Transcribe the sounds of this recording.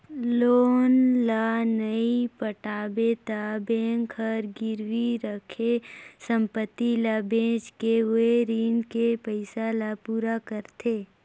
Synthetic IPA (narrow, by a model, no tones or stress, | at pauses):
loːnlanəipəʈaːbet̪abẽːŋkʰəɾɡɪɾwiɾəkʰesə̃mpət̪ːilabẽːd͡ʒkeeɾiːnkepəɪsalapuːɾakəɾt̪eː